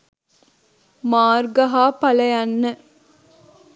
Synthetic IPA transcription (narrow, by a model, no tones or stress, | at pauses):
maːrɡɐɦaːpɐlɐjanːə